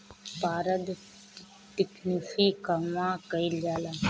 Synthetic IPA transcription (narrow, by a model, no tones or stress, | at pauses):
paːɾəd̪ | t̪ɪknifikɐmãːkɐild͡ʒaːlaː